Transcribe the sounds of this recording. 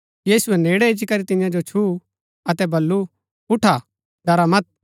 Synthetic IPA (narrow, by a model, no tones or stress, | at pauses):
jiːsuɛneːɽɛɪd͡ʒikɐɾit̪ɪɪjãd͡ʒot͡ʃʰu | ɐt̪ɛbɐlːu | ʊʈʰa | ɖɐɾamɐt̪̚